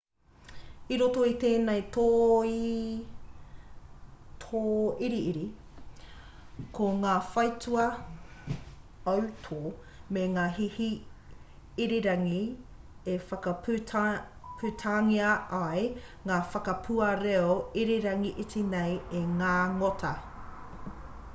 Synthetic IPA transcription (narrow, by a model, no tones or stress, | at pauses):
iɾotoit̪eːnejt̪oːi | t̪ʰoːiɾiiɾi | kʰoŋaːfɐjtuɐ | ɐwtʰo | meŋaːɦihi | iɾiɾɐŋi | efɐkɐp | pʰutʰaŋiɐɐj | ŋaːfɐkɐpʰuɐɾeoiɾiɾɐŋiʔitʰinejeŋaːŋotʰɐ